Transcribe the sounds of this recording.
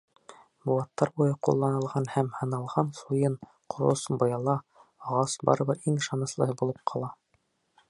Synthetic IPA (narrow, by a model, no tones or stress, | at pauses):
buwɑt̪ːɑɾbujɤqṵlˠːɑnɤ̆lˠʁɑnhæmhɤ̆nɑlˠʁɑnsujɤɴ | qʰŏɾo̰sbŏjɑlˠɑɑʁɑsbɑ̰ɾɤ̆βɤɾiŋɤ̆ʃɑnɤ̆slˠɤ̆ɦɤbulˠɤp̚qʰɑlˠɑ